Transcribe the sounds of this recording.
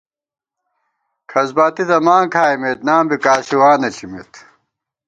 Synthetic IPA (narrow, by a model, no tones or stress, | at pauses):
kʰɐzbaːt̪it̪ɐmaːŋkʰaːjmet̪naːmbikaːɕiwaːnɐt͡ɕʰimit̪